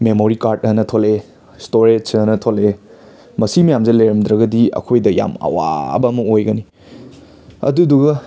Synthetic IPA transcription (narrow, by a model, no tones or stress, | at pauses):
memoɾikaɾt̚ɐnɐtʰole | stoɾed͡ʒɐnɐtʰole | mɐsimɐjamzelɐjɾɐmd̪ɾɐɡɐdiɐ̰kʰojdɐja̰mɐ̰wa̰bɐmɐojɡɐni | ɐ̰duduɡɐ